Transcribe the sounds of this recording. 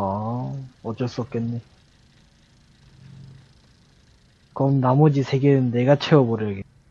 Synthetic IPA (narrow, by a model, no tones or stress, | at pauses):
a | ʌt͡ɕ͈ʌɭs͈uʌp̚k͈enːe | kʌmnamʌd͡ʑisʰe̞ɡeɯnːe̞ɡat͡ɕʰe̞wʌboɾʌɡe